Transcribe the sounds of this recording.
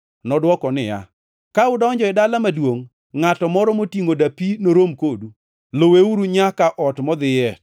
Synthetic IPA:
nɔdwɔkɔnɪja̰ | kaʊdɔɲd͡ʒɔɪdalamadwoŋː | atɔmɔɾɔmotiŋodapinoɾomkodu | loweuɾuɲakaʔɔtmɔd̪ɪjɛ

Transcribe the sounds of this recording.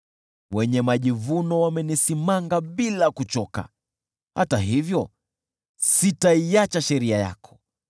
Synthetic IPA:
wɛɲɛmaʄivunɔwamɛnisimaŋɡaɓilakut͡ʃɔka̰ | hataɦivjɔ | sitaiat͡ʃaʃɛɾiaja̰kʰɔ̥

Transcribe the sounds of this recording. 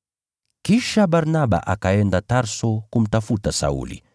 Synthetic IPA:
kiʃaɓaɾnaɓa̰ʔakaɛndataɾsɔkum̩tafutasa̰ṵlḭ

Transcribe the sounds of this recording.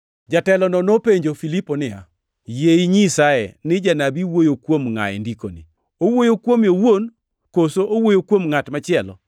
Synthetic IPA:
d͡ʒatɛlɔnɔnopeɲd͡ʒofiliponɪa̰ | jeiɲisajɛ̰nɪd͡ʒanabiwojokwomŋa̰ɛ̰ndikonḭ | owojokwomjowon | kosoʔowojokwomŋatmat͡ʃɪɛlɔ̰

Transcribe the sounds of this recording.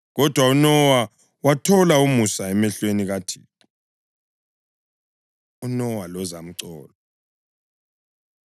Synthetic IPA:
ɣɔd̥ʱwaunɔwa | watʰɔlaumusaɛmɛɬweniɣatʰḭː | unɔwalɔzam̩ǀɔːlɔ

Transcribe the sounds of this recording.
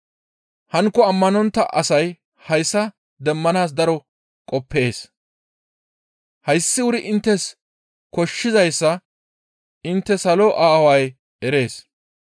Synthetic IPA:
hɐŋkːɔɐmːɐnɔnt̪ːɐʔɐsɐj | hɐjsːɐ | d̪ɛmːɐnaːsd̪ɐɾɔ | kʼɔpːe̞ːs | hɐjsːɪwʊɾɪʔɪnt̪ːɛs | kɔʃːɪzɐjsːɐ | ɪnt̪ːɛsɐlɔʔaːwɐj | ɛɾe̞ːs

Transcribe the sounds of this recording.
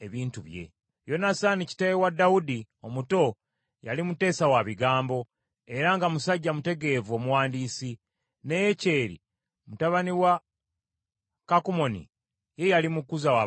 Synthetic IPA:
eβiːntuβje̞̰ | jo̞nasanici̥tajewadawudi | o̞muto̞ | ja̰limute̞ːsawaβiɡaːmbo̞ | e̞ɾaŋɡamusaɟːamute̞ɡe̞ːvuo̞muwaːndiːsi | nejece̞ːɾḭ | mutaβaniwa | kakumo̞nḭ | je̞jalimukuzawa

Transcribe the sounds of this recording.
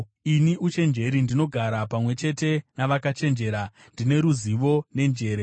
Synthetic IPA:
iniʔut͡ʃe̞nd͡ʒe̞ɾindino̞ɡʱaɾapamwe̞t͡ʃe̞te̞naʋakat͡ʃe̞nd͡ʒe̞ːɾa | ndine̞ɾuziʋo̞ne̞nd͡ʒe̞ːɾe

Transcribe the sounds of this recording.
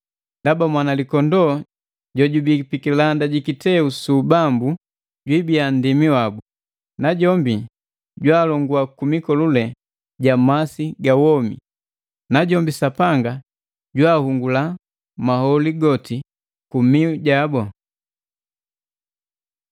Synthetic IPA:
ndabamwanalikɔndɔ | ɟɔɟubipikilandaɟikitɛusuːbambu | ɟwibiandimiwabu | naɟɔmbi | ɟwaːlɔŋɡuakumikɔlulɛ | ɟamasiɡawɔmḭ | naɟɔmbisapaŋɡa | ɟwaːhuŋɡula | mahɔliɡɔti | kumiuɟabɔ

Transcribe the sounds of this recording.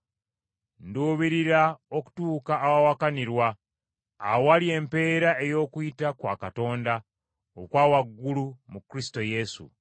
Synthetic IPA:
nduːβiɾiɾaoku̥tuːkaːwawakaniɾwaː | walie̞mpe̞ːɾae̞jo̞ːkuitakwa̰ːkato̞ːnda | okwaːwaɡːulumukɾisi̥to̞je̞sṵ

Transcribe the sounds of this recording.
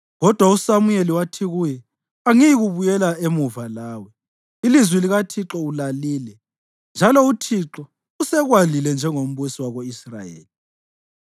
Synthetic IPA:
ɣɔd̥ʱwausamujeliwatʰiɣujɛ | aŋijiɣuβujɛlaemuvalaːwɛ | ilizwiliɣatʰiǁɔulaliːlɛ | nd͡ʒʱalɔutʰiǁɔ | usɛɣwalilɛnd͡ʒʱɛŋom̩βusiwaɣoisra̰jḛːli

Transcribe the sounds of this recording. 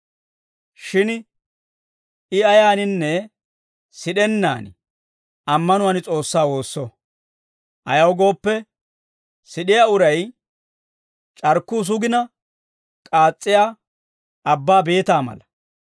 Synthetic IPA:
ʃɪn | ɪɐjaːnɪnːɛ | sɪɗɛnːa̰ːn | ɐmːɐnʊwɐnɪt͡sʼo̞ːsːaːwo̞ːsːɔ | ʔɐjɐwɡo̞ːpːɛ | sɪɗɪjaʊɾɐj | t͡ʃʼɐɾkːuːs̬ʊɡɪnɐ | kʼaːt͡sʼːɪjaː | ɐbːaːbe̞ːt̪aːmɐ̰lɐ

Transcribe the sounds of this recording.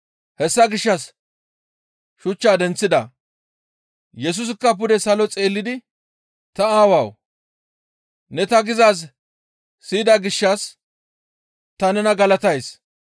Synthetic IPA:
hɛsːɐɡɪʃːɐs | ʃʊt͡ʃːaːd̪ɛnt͡sːɪd̪ɐ | jɛs̬ʊs̬ɪkːɐp̬ʊd̪ɛsɐlɔt͡sʼe̞ːlːɪd̪ɪ | t̪ɐaːwaw | nɛt̪ɐɡɪzaːs̬ː | iːd̪ɐɡɪʃːɐs | t̪ɐnɛnɐɡɐlɐt̪ɐjs

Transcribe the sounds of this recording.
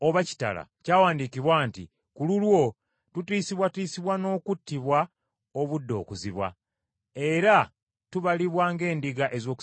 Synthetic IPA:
oβaci̥ta̰la̰caːwaːndikiβwaːntḭ | kululwo̞ | tutiːsiβwatiːsiβwano̞ːkutːiβwa | oβudːo̞̰ːkuziβwa̰ | e̞ɾa | tuβaliβwaːŋɡe̞ːndiɡaʔe̞zo̞ːku̥

